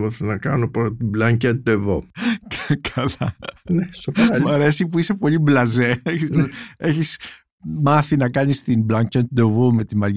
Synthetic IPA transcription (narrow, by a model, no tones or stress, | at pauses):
mɐtenɐkɐnopoɾt̪iblɐɲcɐt̪̚d̪evokkʰɐlɐnesoɐmɐɾe̞sipuise̞po̞ʎiblɐze̞eçieçis | mɐθinɐkɐnist̪imblɐɲcet̪̚d̪evome̞t̪imɐɾʝ